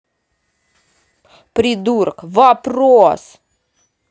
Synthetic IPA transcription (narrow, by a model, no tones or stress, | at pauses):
pɾʲɪd̪urkvɐpɾos